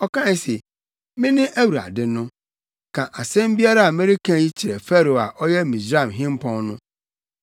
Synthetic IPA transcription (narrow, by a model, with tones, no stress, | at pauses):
ɔ˦kʰã˦ɛ˦se˨ | mɪ̃˦nɪ̃˦ʔæ˦wu˨ɾa̰˨dɪ˦nʊ̃˦ | kʰã˨ʔa˨sɛ̃˦m˦bi˦a˦ɾa˦a˨mɪ̃˦ɾɪ˦kʰã˦ji˦t͡ɕʰi˨ɾɛ˨fɛ˦ɾo˨a˨ʔɔ˦jɛ˦mĩ˨sɾa˦˨mɦɪ̃˦m˦pʰɔ̃˦nnʊ̃˦